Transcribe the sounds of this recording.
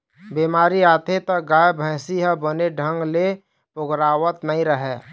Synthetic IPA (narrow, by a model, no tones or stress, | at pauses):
bimaːɾiaːt̪ʰet̪əɡaːjbʱə̃ːsiɦə̃bəneɖʱə̃ŋɡle | pʊɡɾaːwət̪nəɦĩɾəɦɛː